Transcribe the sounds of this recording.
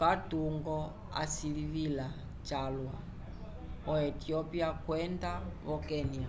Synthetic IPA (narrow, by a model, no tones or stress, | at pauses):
katuŋɡɔ | a̰siɺiβila | t͡ʃalwa | ɔɛtiɔpiakwɛndaβɔkɛnia